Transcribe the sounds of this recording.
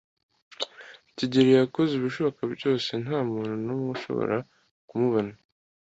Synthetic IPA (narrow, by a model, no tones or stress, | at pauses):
ciɟiɾejakoziβiʃoβakabɟo̞ːse̞naːmuːnhunomŋuʃo̞̰βo̰ɾa | kumuβana